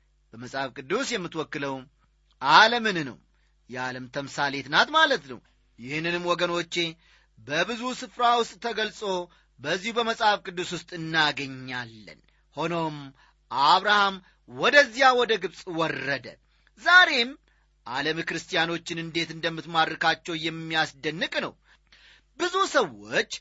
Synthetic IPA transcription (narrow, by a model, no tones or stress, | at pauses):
b̥əməsʼhafkʼɨd̪ːusjɛmːɨt̪wɔkːɨləw | ʔaləmɨnnə̰w | jɛaləmt̪ʰəmsale̞t̪nat̪malət̪nə̰w | jɪhɨnːɨnɨmːwɔɡəno̞t͡ʃːe̞ | bəbɨzusɨfɾawʊst̪ʼt̪ːʰəɡəlsʼo̞ | bəzːihubəməsʼhafkʼɨd̪ːuswʊst̪ʼɨnːaɡəɲːalːə̰n | ho̞no̞m | ʔaβɾaham | wɔd̪əzːijawɔd̪əɡɨβsʼwɔrːəd̪ə̰ | zaɾe̞m | ʔaləmkɨɾɨst̪ijano̞t͡ʃːɪnɨnd̪e̞t̪ɨnd̪əmːɨt̪mad̪ɾɨkat͡ʃːɛwjɛmːijasd̪ənːɨkʼnəw | bɨzusəwːo̞̰t͡ʃː